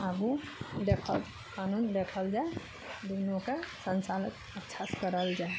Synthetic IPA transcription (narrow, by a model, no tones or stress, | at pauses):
əbu | d̪ekʰəl | kanund̪ekʰəld͡ʒae | d̪onõkasə̃nt͡ʃalət̪̚ | ətːʃʰaskəɾəld͡ʒae